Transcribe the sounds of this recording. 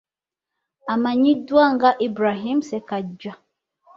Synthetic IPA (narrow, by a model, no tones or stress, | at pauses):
amaɲidwaŋɡaʔibɾaɦimsɛkad͡ʒa